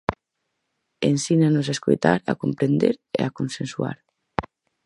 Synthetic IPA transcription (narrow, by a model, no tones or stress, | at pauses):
ensinanozaesko̰jt̪a̰ɾakompɾend̪eɾḛakonsensua̰ɾ